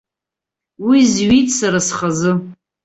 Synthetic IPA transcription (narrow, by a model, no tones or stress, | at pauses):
wizɥitʼsaɾasχazɨ